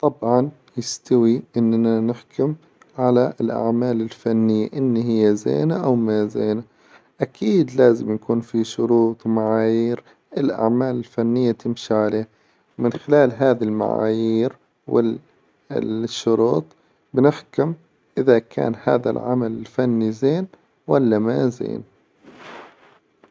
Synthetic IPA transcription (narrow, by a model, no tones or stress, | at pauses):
t̪ˤɑbʕɑn | jɪst̪awiʔɪnːnanɪħkʊm | ʕalaɪlʔa̰ʕmaːlɪlfanːɪjːa̰ʔɪnːiɦɪjːazḛːnaʔawmazḛːna | ʔakʰiːd̪laːzɪmjakuːnfiʃʊɾuːt̪ˤwmaʕaːjiːɾ | ʔɪlʔa̰ʕmaːlɪlfanːɪjːat̪ɪmʃiʕaleː | wmɪnxɪlaːlɦaːðilma̰ʕa̰ːjiːɾ | wɪ̰ | ʃːʊɾuːt̪ˤ | bɪnɪħkʊm | ʔɪðakʰa̰ːnha̰ːða̰lʕamalɪlfanːizeːn | walːamazḛːn